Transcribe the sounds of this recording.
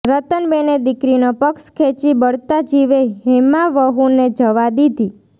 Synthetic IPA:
ɾət̪ənbened̪ɪkɾinopəkskʰet͡ʃibəɭt̪ad͡ʒiʋeɦemaʋəɦuned͡ʒəʋad̪id̪ʱi

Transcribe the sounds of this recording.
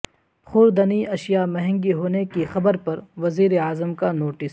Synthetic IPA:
xʊɾd̪ɐniʔɐʃijamɛɦɛ̃ŋɡiɦoːnekixɐbəɾpɐɾʋɐziːɾeaːzəmkanoːʈɪs

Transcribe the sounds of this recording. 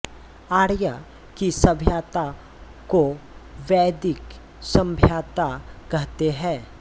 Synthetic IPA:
aːɽja | kisɐbʱjaːt̪a | koʋɛːd̪ɪk | sɐ̃mbʱjaːt̪akɐɦt̪eɦɛ̃ː

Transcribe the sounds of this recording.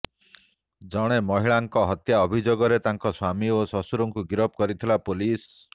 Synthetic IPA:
d͡ʒɔɽ̃emɔɦiɭaŋkɔɦɔt̪jaɔbʱid͡ʒoɡɔɾet̪aŋkɔswamiosɔsuɾɔŋkuɡiɾɔp̚kɔɾit̪ʰilapolis

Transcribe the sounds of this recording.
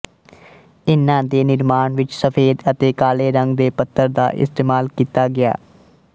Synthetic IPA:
ɪnːãːd̪eːnɪɾmaːɳʋɪt͡ʃsəpʰeːd̪ət̪eːkaːleːɾəŋɡd̪eːpət̪ʰːəɾd̪a̰ːʔɪ̰st̪eːmaːlkiːt̪aːɡɪa̰ː

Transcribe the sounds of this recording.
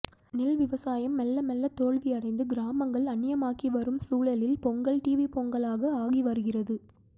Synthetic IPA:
nɪlʋɪʋɐsaːjɐmːɐlːɐmɛlːɐt̪oːɭʋiɐɽɐɪnd̪ɯɡɪɾaːmɐŋɡɐɭɐɳːɪjɐmaːkiʋɐɾɯmsuːɭɐlɪlpɔŋɡɐɭʈiːʋipɔŋɡɐɭaːɣɐaːɣiʋɐɾɯɣɪrɐðɯ

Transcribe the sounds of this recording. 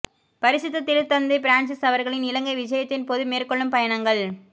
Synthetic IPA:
pɐɾɪsɪt̪ːɐt̪ːɪɾɯt̪ːɐnd̪ɐɪpɪɾaːɳsɯsɐʋɐɾɣɐɭɪnɪlɐŋɡɐɪʋɪd͡ʒɐjɐt̪ːɪnpoːðɯmeːrkɔɭːɯmpɐjɐɳɐŋɡɐɭ

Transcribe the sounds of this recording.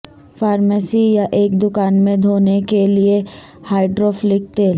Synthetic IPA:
faːɾməsijaʔeːk̚d̪ʊkaːnmẽd̪ʱoːnekelie | haːɪɖɾoːflɪk̚t̪eːl

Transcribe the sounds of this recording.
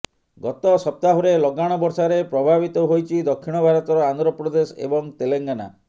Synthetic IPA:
ɡɔt̪ɔsɔp̚t̪aɦuɾelɔɡaɽ̃ɔbɔɾsaɾepɾɔbʱabit̪ɔɦojt͡ʃʰid̪ɔkʰːiɽ̃ɔbʱaɾɔt̪ɔɾɔand̪ɾɔpɾɔd̪esḛbɔŋt̪eleŋɡana̰

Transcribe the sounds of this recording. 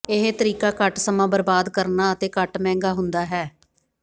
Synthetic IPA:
ɪɦet̪əɾiːkaːkəʈsəmãːbəɾbaːd̪kəɾnaːət̪eːkəʈmɛ̃ːŋɡaːɦʊnd̪aːɦɛː

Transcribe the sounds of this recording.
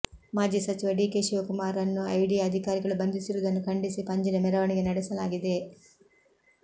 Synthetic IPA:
maːd͡ʒiːsɐt͡ʃiʋɐɖiːkeːʃiʋɐkumaːɾɐnːuɐjɽiɐd̪ʱikaːɾiɡɐɭubɐnd̪isiɾuːd̪ɐnːukɐɳɖisipɐɲd͡ʒɐnɐmɛɾɐʋɐɳiɡenɐɽɛsɐlaːɡid̪e̞

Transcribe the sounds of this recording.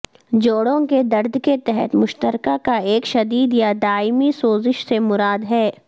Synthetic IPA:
d͡ʒoːɽõked̪ɐɾd̪ʱket̪ɛɦɛ̰t̪mʊʃt̪əɾkakaeːkʃɐd̪iːd̪jad̪aːɪmisoːzɪʃsemʊɾaːd̪ɦɛː

